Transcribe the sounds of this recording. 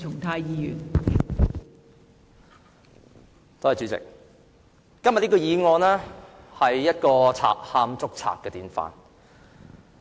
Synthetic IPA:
ʊ˨˩ŋt̪ʰaː˧jjiː˧jy̰ː˨˩n | t̪o˥hɐ˨jt͡ʃy˨˧˥t͡sɪ̰˨k̚ː | ɐ˥mjtlniː˥kɔː˧jiː˨˧ŋɔː˧nlɛː˥ | hɐ˨jːɐ˥t̚kɔː˧t͡sʰa̰ː˨k̚haː˧mt͡sʊ˥k̚t͡sʰa̰ː˨˩k̚kːɛː˧t̪iː˨˥nfa̰ː˨˧n

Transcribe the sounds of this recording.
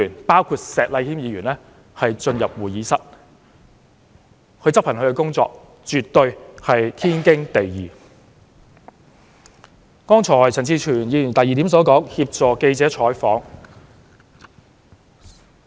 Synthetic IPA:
yː˨˩npaː˥wkʰuː˧t̚sɛː˨k̚lɐ˧jhiː˥mjiː˨˧ɥyː˨˩nlɛː˥ | hɐ˨jt͡ʃɵ˧njɐ˨p̚wuː˨˩jiː˨˥sɐ˥t̚ | kʰɵ˨˧ɥt͡sɐ˥pʰɐ˨˩ŋkɵ˨˧ɥkɛ˧kʊ˥ŋt͡sɔ̰ː˧k̚ | t͡ʃy˨t̪̚ːɵ˧ɥhɐ˨jt̪ʰiː˥nkɪ˥ŋt̪e˨jjiː˨ | kɔː˥ŋt͡sʰɔː˨˩jt͡sʰɐ˨˩ŋt͡siː˧t͡ʃʰyː˨˩njiː˨˧jy˨˩nt̪ɐ˨˩jːiː˨t̪i˨˥msɔː˨˥kɔː˨˥ŋhi˧p̚t͡sɔː˨ke˧jt͡sɛː˨˥t͡ʃʰɔː˨˥jfɔː˨˥ŋ

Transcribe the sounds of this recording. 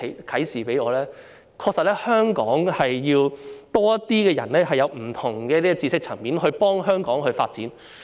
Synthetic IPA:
kʰɐ˨˥jsiː˨˩pe˨˥jɔː˨˧lɛː˥ | kʰɔː˧k̚sɐ˨t̚lɛː˥hœː˥ŋkɔː˨˥ŋhɐ˨jːiː˧wt̪ɔː˥jɐ˥t̪iː˥kɛː˧jɐ˨˩nlɛː˥ɦɐ˨jɐ˨˧wm̩˨˩t̪ʰʊ˨˩ŋkɛː˧t̪i˥˧t͡siː˧sɪ˥k̚t͡sʰɐ˨˩ŋmiː˨˥nɦɵ˧ɥpɔː˥ŋɦœː˥ŋkɔː˨˥ŋɦɵ˧ɥfaː˧t̚t͡siː˨˥n

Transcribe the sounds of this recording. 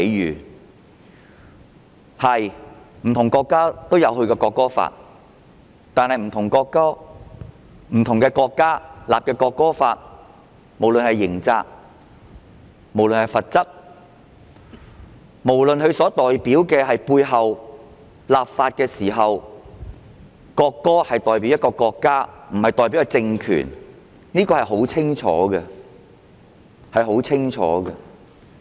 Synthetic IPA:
e˨˧˥jɥyː˨˩ | hɐ˨jm̩˨˩t̪ʰʊ˨˩ŋkɔː˧kːaː˥t̪o˥wjɐ˨˧wɦɵ˧ɥkɛː˧kɔː˧kːɔː˥fa̰ː˧t̚ | t̪aː˨˧nhɐ˨jm̩˨˩t̪ʰʊ˨˩ŋkɔː˧kːɔː˥ | m̩˨˩t̪ʰʊ˨ŋkɛː˧kɔː˧kːaː˥laː˨p̚kɛː˧kɔː˧kːɔː˥fa̰ː˧t̚ | mo˨˩wlɵ˨nhɐ˨jːɪ˨˩ŋt͡sa̰ː˧k̚ | mo˨˩wlɵ˨nhɐ˨jfɐ˨t̚t͡sɐ˥k̚ | mo˨˩wlɵ˨nɦɵ˨˧sɔː˨˥t̪ɔː˨jpiː˨˥wkɛː˧ɦɐ˨jpuː˧jɦɐ˨w | laː˨p̚faː˧t̚kɛː˧siː˨˩ɦɐ˨w | kɔː˧kːɔː˥hɐ˨jt̪ɔː˨jp̬iː˨˥wjɐ˥t̚kɔː˧kɔː˧kːaː˥m̩˨˩hɐ˨jt̪ɔː˨jp̬i˨˥wkːɛ˥˧t͡sɪ˧ŋkʰy̰ː˨˩n | niː˥kɔː˧hɐ˨jɦo˨˥wt͡sʰɪ˥ŋt͡ʃʰɔ̰ː˨˥ɡɛ˧ | hɐ˨jɦo˨˥wt͡sʰɪ˥ŋt͡ʃʰɔ̰ː˨˥ɡɛ˧

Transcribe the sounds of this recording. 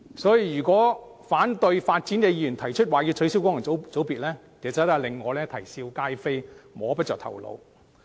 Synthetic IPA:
sɔː˨˥ji˧jyː˨˩kʷɔː˨˥ | faː˨˥nt̪ɵ˧ɥfaː˧t̚t͡siː˨˥nkɛː˨˧jiː˧˩jyː˨˩nt̪ʰɐ˨˩jt͡ʃʰɵ˥t̚waː˨˩jiː˧wt͡sʰɵ˨˥si˨˥wkɔː˨˥ŋjɐ˨˩˨t͡so˨˥wpiː˨t̚lɛː˥ | kɛː˨˩t͡sɐ˨˥aː˧lɪ˨ŋːɔː˨˧lɛː˥t̪ʰɐ˨˩jsiː˧wkaː˥jfe˥jmɔː˨˧pɐ˥t̚t͡ʃœː˨k̚t̪ʰɐ̰˨˩wlo̰˨˧w

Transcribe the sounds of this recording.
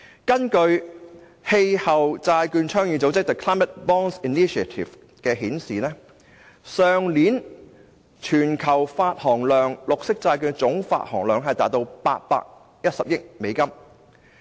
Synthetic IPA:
kɐ˥nkɵ˧ɥ | he˧jhɐ˨wt͡saː˧jkyː˧nt͡ʃʰœː˥ŋji˨˧t͡so˨˥wt͡sɪ˥k̚t̪ɐ˨˧kʰlaː˥jmɐ˨˥t̚bɔː˥ŋsi˨niː˥ʃɐ˨t̪ʰḭ˨˩f | kɛː˧ɦiː˨˥nsiː˨nɛː˥ | sœː˨˧ŋliː˨˥n | t͡ʃʰyː˨˩nkʰɐ˨˩wfaː˧t̚hɔː˨˩ŋlœː˨˩ŋlʊ˨k̚sɪ˥k̚t͡saː˧jkyː˧nt͡sʊ˨˥ŋfa̰ː˧t̚hɔ̰ː˨˩ŋlœː˨˩ŋɦɐ˨jt̪aː˨˥t̚t̪o˧wpa̰ː˧t̚pa̰ː˧k̚ | jɐ˥t̚sɐ˨p̚jɪ˥k̚me˨˧jkɐ˥m

